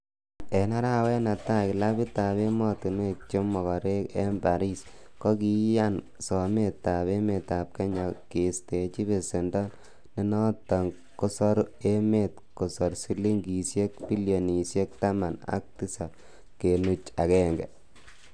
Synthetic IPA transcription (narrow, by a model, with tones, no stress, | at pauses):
ɛ˨na˦ɾa˦wɛ˦na˨ta˦kɪ˨la˦bi˦ta˨be˦mɔ˦tu˨n˦e˦˨t͡ʃo˦mːɔ˨kɔ˨ɾe˦kɛ˦mba˨ɾi˦s | kɔ˦ki˦ja˦n | sɔ˨me˦ta˨βe˦me˨ta˨p̚kɛ˦ɲa˨ke˨ste˨t͡ʃi˦be˨se˨ndɔ˦n | ne˦nɔ˦ta˨ŋ | ko˦sɔ˦ɾe˦me˦˨t | ko˨sɔ˨ɾsi˦li˦ŋɡi˨sje˦k̚pi˦lio˨ni˨sje˦k̚ta˦ma˨na̰˦k̚ti˦sa˨ | ke˨nu˦t͡ʃa̰˨kɛ˦ŋɡɛ̰˨